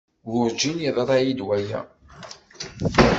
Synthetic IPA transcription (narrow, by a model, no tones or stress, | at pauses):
ɡʊɾd͡ʒiniðˤəɾˤæjid̪wæjæ̰